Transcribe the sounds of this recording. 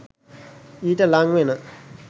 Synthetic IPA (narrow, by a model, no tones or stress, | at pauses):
italaŋwenə